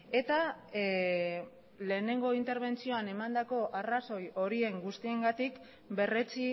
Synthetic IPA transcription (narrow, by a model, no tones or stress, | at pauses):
e̞t̪a | le̞ːne̞ŋɡo̞int̪e̞ɾβ̞e̞nt͡sio̞ane̞mand̪ako̞ʔaraso̞jo̞ɾie̞ŋɡust̪ie̞ŋɡat̪ik | be̞re̞t͡si